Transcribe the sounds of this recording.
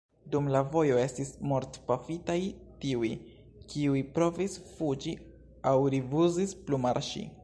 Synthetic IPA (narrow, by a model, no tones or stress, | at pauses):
dumlavo̞jo̞e̞stismoɾtpafitajtiuj | kiujpɾo̞visfud͡ʒi | awɾivuzisplumaɾʃḭ